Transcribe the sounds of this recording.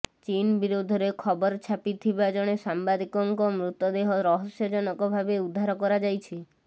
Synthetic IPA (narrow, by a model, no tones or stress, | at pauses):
t͡ʃinbiɾud̪ʱɔɾekʰɔbɔɾt͡ʃʰapit̪ʰibad͡ʒɔɽ̃esambad̪ikɔŋkɔmɾut̪ːɔd̪eɦɔɾɔɦɔsjɔd͡ʒɔnɔkɔbʱabeud̪ʱːaɾɔkɔɾad͡ʒajt͡ʃʰi